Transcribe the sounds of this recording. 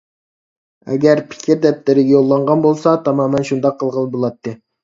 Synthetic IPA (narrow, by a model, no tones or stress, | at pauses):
ɛ̰ɡʲæɾpʰɪ̥kʲʰiɾd̪ɛp̚lɪɾɪɡʲɛjolˠːɑɴʁɑnbolˠsɑt̪ʰɑmɑːmɛnʃund̪ɑqʰːəlˠʁənˠbolˠɑt̪ʰːɨ